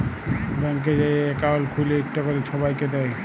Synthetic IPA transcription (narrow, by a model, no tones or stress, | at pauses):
bɛŋk̬ed͡ʑajeekaolkʰuleek̚ʈakɔɾeʃʰɔbajked̪ɛj